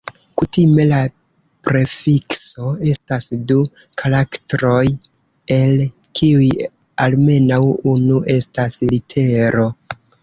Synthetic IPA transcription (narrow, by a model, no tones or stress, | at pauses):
kutime̞la | pɾe̞fikso̞e̞stasdukʰalaktɾo̞j | e̞lkʰiuj | alme̞nawunuʔe̞staslitʰe̞ɾo̞